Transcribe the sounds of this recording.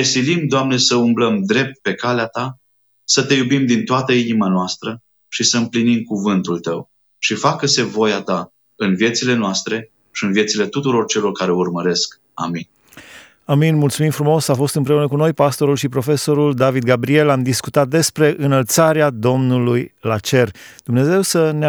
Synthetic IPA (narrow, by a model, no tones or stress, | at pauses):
esilimd̪oamne̞səumbləmd̪ɾe̞p̚t̪̚pe̞kaleat̪a | sət̪e̞jubimd̪int̪oat̪əinimanoast̪ɾə | ʃisəɨmplinimkuvɨnt̪ult̪əw | ʃifakːəse̞vo̞jat̪a | ɨnvije̞t̪sile̞noast̪ɾe̞ | ʃiɨnvje̞t̪sile̞t̪ut̪uɾo̞rt͡ʃe̞lo̞rkaɾe̞urməɾe̞sk | a̰min | aminmult̪sumimfɾumo̞safo̞st̪ɨmpɾe̞unəkuno̞jpast̪o̞ɾulʃipɾofe̞so̞ɾuld̪avid̪̚ɡabɾie̞lamd̪iskut̪at̪̚d̪e̞spɾe̞ʔɨnəlt̪saɾead̪o̞mnulujlat͡ʃe̞rd̪̥umne̞ze̞wsəne